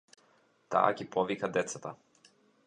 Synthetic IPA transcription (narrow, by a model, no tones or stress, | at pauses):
t̪a̰ːɡipɔvikad̪ɛt̪sat̪a